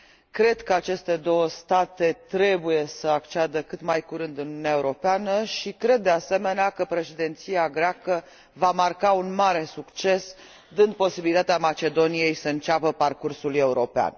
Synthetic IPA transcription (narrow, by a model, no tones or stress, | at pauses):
kɾe̞d̪kəat͡ʃe̞st̪e̞d̪o̞wəst̪at̪e̞t̪ɾe̞buje̞səakt͡ʃead̪əkɨt̪majkuɾɨnd̪ɨnununeae̞uɾo̞peanəʃikɾe̞d̪̚ːe̞ase̞me̞neakəpɾe̞ʃed̪ent̪siaɡɾeakə | vamarkaunmaɾe̞sukt͡ʃe̞s | d̪ɨnd̪̚po̞sibilit̪at̪eamat͡ʃe̞d̪o̞nije̞jsəɨnt͡ʃapəparkursule̞uɾo̞pea̰n